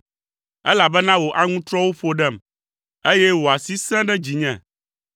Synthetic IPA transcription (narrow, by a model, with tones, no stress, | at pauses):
ɛ˦la˨bɛ˦nã˦wo˨ʔa˨ŋũ˦t̪ɾɔ˦wo˦ɸo˨ɖɛ˦˨m | e˦jɛ˦wo˨a˨si˦sɛ̃˦ɖɛ˦d͡ʑi˨ɲɛ̃˨